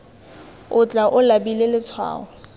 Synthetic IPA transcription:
ʊt͡ɬʼaʔʊlabilelɪt͡sʰwa̰ːɔ

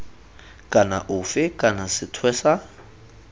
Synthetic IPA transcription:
kʼana̰ʔʊfɪkʼanasɪtʰwɛːsa

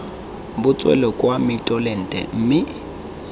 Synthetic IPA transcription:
bʊt͡sʼwɛ̰lɔkʼwamɪtʼɔlɛn̩tʼɛ̰m̩ːmɪ

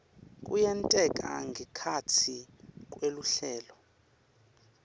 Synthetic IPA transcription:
kʼujɛntʼɛkʼa̰ŋɡʱɛkʰat͡sʰik̬ʼweluɬɛːlɔ

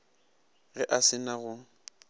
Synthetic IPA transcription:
ɣɛʔasɪnaɣʊ

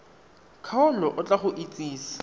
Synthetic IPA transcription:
kʰaʊlɔʔʊt͡ɬʼaχʊʔit͡sʼiːsḁ

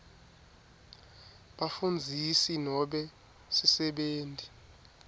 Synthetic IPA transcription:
ɓafund͡zʱisinɔɓɛ | sisɛɓeːnti

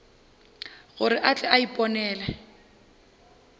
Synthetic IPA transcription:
ɣʊɾɪʔat͡ɬʼɛaipʼɔnɛːlɛ

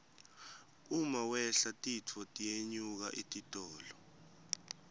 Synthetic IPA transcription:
umawɛɬatʼit͡fʰɔtʼijeɲuk̬a̰ʔitʼitʼɔːlɔ

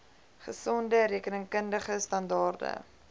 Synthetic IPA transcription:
χəsɔndəɾiəkənəŋkəndəχəstɐndɑːrdə̰

